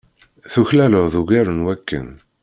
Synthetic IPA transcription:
θuçlæloðuɡæɾənwækːə̰n

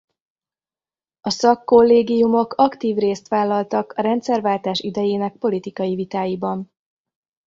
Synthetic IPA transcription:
ɒsɒkːo̞lːeːɡijumo̞kʰɒkt̪iːvreːst̪ʋaːlːɒlt̪ɒkɒɾɛnt̪sɛrvaːlt̪aːʃid̪ɛjeːnɛk̚po̞lit̪ikɒjivit̪aːjibɒn

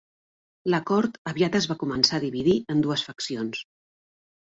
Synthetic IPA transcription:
ləkɔɾt̪əβiat̪əzβakumənsaðiβiðiənd̪uəsfəksions

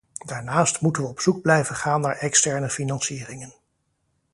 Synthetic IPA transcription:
daːɹnaːstmutənʋəɔpsuɡ̚blɛjvənχaːnːaːɹɛkstɛɹnəfinɑnsiːrɪŋən

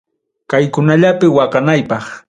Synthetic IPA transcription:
kajkʊnaʎapɪwɑqɑnajpɑχ

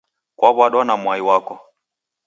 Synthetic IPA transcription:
kwʔaβwaɗɔnamwaiwakɔ

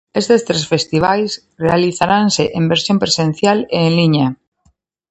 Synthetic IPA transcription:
est̪est̪ɾesfest̪iβ̞ajs | realiθaɾanseʔembeɾsjompɾesẽn̟θjaleːŋliɲa

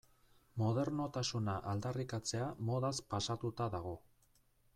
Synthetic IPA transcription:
mo̞ð̞e̞ɾno̞t̪asunaʔald̪arikat͡se̞amo̞ðaspasat̪ut̪aðaɣ̞o̞

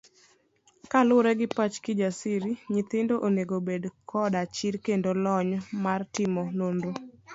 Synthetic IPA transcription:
kalʊɾɛɡɪpat͡ʃkɪd͡ʒasiɾiɲɪt̪ɪndoʔoneɡobedkʰɔdat͡ʃiɾkendolɔɲmartɪmɔnondo

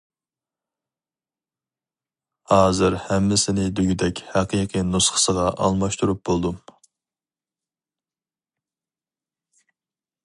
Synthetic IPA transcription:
hɑːzɨɾhɛmːɪsɪnɪd̪yɡʲyd̪ɛkʲhæqijqʰɨnusχə̥səʁɑʔɑ̰lˠmɑʃt̪uɾup̚b̥olˠd̪um

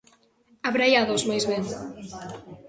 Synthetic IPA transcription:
aβɾajaðozmajzβeŋ

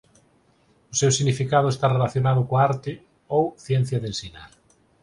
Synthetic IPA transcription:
ʊsewsiɣnifikaðʊest̪arelaθjonaðʊkoaaɾt̪ɪ | owθjɛn̟θjaðensinaɾ

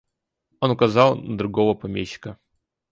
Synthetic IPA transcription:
onʊkɐzɑlˠnəd̪ɾʊɡo̞vəpɐmʲeɕːɪ̥kə

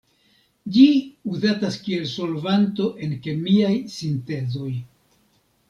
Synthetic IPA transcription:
d͡ʒiuzataskie̞lso̞lvanto̞ʔe̞nke̞miajsinte̞zo̞j

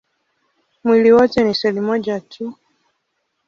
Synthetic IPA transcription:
mwiliwɔtɛnisɛlimɔʄatʰu

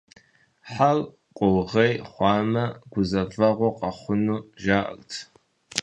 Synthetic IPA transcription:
ħal | qʷʼʊwʁejχʷɑːmɐɡ̥ʷʊzɐvɐʁʷɔqʼɐχʷʊnuːʒaːʔə̰ltʰ

